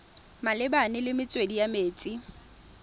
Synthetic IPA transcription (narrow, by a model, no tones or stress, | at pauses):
malɪbanɪlɪmɪt͡sʼwedijameːt͡sʼi